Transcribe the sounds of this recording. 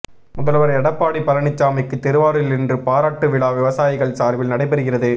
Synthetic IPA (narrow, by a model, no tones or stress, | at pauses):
mʊðɐlʋɐɾɐɛɽɐpːaːɽipːɐlɐɳɪt͡ʃːaːmɐɪkːɯt̪ːɛɾɯʋaːɽɪlɪndrɯpaːɾaːʈːɯʋɪɭaːʋɪʋɐsaːjɪɣɐɭsaːɾʋɪlnɐɽɐɪpɛɾɯɣɪrɐðɯ